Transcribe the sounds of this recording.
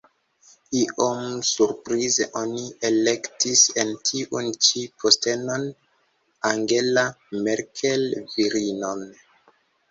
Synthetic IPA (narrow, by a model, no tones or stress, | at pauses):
iʔomsuɾpɾizḛʔo̞niele̞ktise̞ntʰiʔunt͡ʃipʰoste̞no̞n | aŋɡe̞lameɾkʰelviɾino̞n